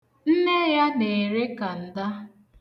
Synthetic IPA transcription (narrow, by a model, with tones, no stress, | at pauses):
n̩˦ne˦ja˦ne˨ɾe˦ka˨n̩˨da˦